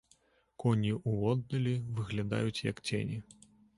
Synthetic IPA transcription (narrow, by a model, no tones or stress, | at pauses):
kɔnʲiʔuɔd̪̚nɐlʲivɨɣlʲad̪a̰jut͡sʲjɐ̰kt͡sʲḛnʲi